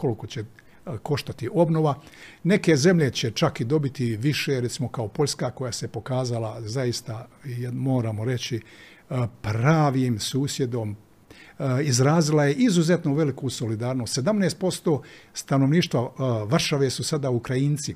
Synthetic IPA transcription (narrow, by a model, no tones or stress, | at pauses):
ko̞liko̞t͡ɕe | ko̞ʃt̪at̪iʔo̞bno̞ʋa | ne̞ke̞ze̞mʎe̞t͡ɕe̞t͡ʃakid̪o̞bit̪iʋiʃeɾe̞t̪simo̞kaopo̞ʎʲskako̞jasepo̞kaːzalazajist̪ajmo̞ːɾamo̞ɾe̞t͡ɕi | pɾaːʋimsuːsje̞d̪o̞m | izɾaːzilaje̞ʔizuze̞t̪noʋe̞likuso̞lid̪aːɾno̞ːst̪se̞d̪amneːst̪̚po̞st̪o̞ːst̪anoʋniːʃt̪ʋaʋr̩ʃaʋesusad̪aukɾajint̪si